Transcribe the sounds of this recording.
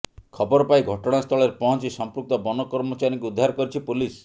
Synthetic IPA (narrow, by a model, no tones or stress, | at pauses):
kʰɔbɔɾɔpaiɡʱɔʈɔɽ̃ast̪ʰɔɭeɾpɔɦɔnt͡ʃisɔmpɾuk̚t̪ɔbɔnɔkɔɾmɔt͡ʃaɾĩŋkuud̪ʱːaɾkɔɾit͡ʃʰipulis